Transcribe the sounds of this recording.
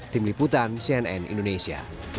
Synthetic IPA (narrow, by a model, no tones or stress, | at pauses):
t̪imliput̪ansiɛnɛ̰nḭndonesia̰